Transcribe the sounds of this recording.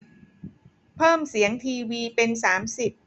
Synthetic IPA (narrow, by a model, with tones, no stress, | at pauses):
pʰɤː˥˩msi˩˦əŋt̪ʰiː˧wiː˧pe˧nsaː˩˦msi˨˩p̚